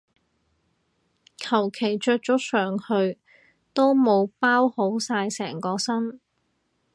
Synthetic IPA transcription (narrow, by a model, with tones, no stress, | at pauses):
kʰɐ˨˩wkʰe˨˩jt͡ʃœː˧k̚t͡ʃʊ˨˥sœː˨˩ŋhɵ˧ɥ | t̪o˥wmo˨˧wpaː˥who˨˥wsaː˧jsɛː˨˩ŋkɔː˧sɐ˥n